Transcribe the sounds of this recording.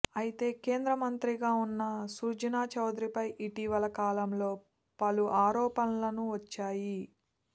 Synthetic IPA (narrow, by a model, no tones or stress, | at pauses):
ɐjit̪e̞ːke̞ːnd̪ɾɐmɐnt̪ɾiɡaːunːɐsuːɾd͡ʒɐnaːt͡ʃɐwd̪ɾipɐjʔiʈiʋɐlɐkaːlɐmlo̞ː | pɐluʔaːɾɔːpɐnɐlɐnuʋɐt͡ʃːaːji